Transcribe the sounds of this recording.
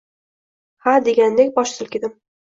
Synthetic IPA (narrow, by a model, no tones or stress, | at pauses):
had̪eɡʲand̪ekʲbɒʃsɪlˠkʲɪd̪ɪm